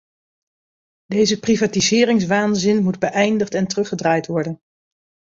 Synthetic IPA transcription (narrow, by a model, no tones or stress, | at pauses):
dejzəprivaːtizɪːrɪŋsʋaːnzɪnmudbəʔɛjndəχtɛntərɵχədraːjtʋɔɹdən